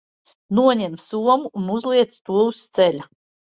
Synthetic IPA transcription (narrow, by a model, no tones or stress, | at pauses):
nuɔɲɛmsuɔmuːnuzlˠiɛt̪st̪uɔust̪sɛlʲa